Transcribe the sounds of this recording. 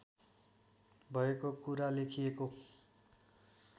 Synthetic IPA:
bʱʌekokuɾalekʰijeko

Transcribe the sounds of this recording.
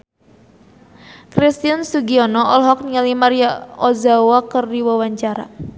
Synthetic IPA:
kɾist̪iansuɡiɔnɔʔɔlɦɔk̚niŋalimaɾiaɔzawakərdiwawaɲt͡ʃaɾa̰

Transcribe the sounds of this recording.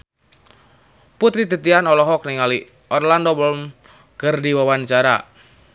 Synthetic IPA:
put̪ɾit̪it̪ianɔlɔɦɔk̚niŋali | ʔɔrlandowɔlm | ɡ̥ərdiwawant͡ʃaɾa

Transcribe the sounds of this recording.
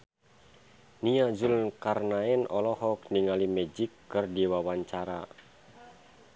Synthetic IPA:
niazulnkarnaɛnɔlɔhɔk̚niŋalimɛd͡ʒikːɨrdiwawaɲt͡ʃaɾa

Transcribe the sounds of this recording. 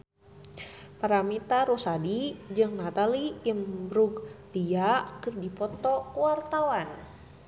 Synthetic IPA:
paɾamit̪aɾusadid͡ʒɨŋnat̪aliimbɾuklijakɨrdipɔt̪ɔkuwart̪awan

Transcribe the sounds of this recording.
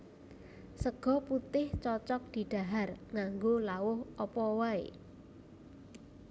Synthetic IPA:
səɡ̥ɔ̤put̪ɪht͡ʃɔt͡ʃɔk̚d̪̥i̤ɖ̪̥a̤ɦarŋaŋɡolawʊhɔpɔwaḛ

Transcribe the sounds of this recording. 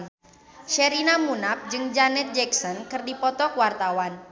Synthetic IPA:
ʃɛɾinamunap̚d͡ʒɨŋd͡ʒanɛt̪̚d͡ʒɛksɔnkɨrdipɔt̪ɔkwart̪awan

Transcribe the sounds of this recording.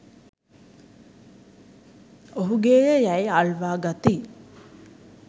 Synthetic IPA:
oɦuɡeːjəjæjaɭʋaːɡat̪i

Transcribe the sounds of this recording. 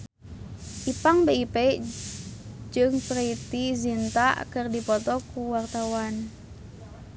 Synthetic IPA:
ʔipaŋbeipɛ | d͡ʒɨŋpɾeit̪izint̪akɨrdipɔt̪ɔkuwart̪awan

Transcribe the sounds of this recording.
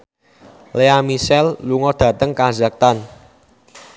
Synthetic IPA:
leamisɛlluŋɔd̪̥ä̤t̪əŋkaza̤k̚t̪an

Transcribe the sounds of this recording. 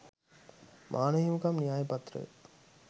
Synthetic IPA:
mʔaːnəɦimukɐmnijaːjepɐt̪ɾə̰

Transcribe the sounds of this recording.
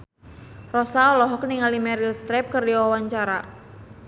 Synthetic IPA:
rɔsaɔlɔɦɔk̚niŋalimɛɾilst̪ɾɛp̚kɨrdiwawaɲt͡ʃaɾa

